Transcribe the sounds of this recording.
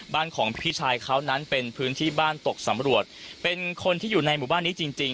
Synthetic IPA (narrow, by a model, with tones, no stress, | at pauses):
baː˥˩nkʰɔː˩˦ŋpʰi˦˥˩t͡ɕʰaː˧jkʰa˦˥wna˦˥npe˧npʰɯː˦˥nt̪ʰiː˥˩baː˥˩nt̪o˨˩k̚sa˩˦mɾu˨˩ət̪̚pe˧nkʰo˧nt̪ʰiː˥˩juː˨˩na˧jmuː˨˩˦baː˥˩nːiː˦˥t͡ɕi˧ŋt͡ɕi˧ŋ